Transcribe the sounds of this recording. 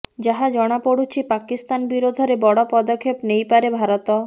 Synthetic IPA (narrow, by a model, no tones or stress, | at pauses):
d͡ʑaɦad͡ʒɔɽ̃apoɽut͡ɕʰipakist̪anbiɾod̪ʱɔɾebɔɽɔpɔd̪okʰːepnejpaɾebʱaɾot̪ɔ